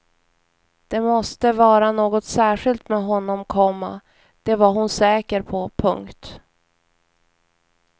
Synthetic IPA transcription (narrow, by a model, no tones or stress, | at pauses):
d̪̥ɛmɔst̪əvɑːɾanoːɡɔt̪sæːɧɪlt̪mɛɦɔnːɔmkʰɔmːa̰ | d̪̥ɛvaɾɦʊnsɛːkəɾpʰɔpʰɵ̰ŋkt̪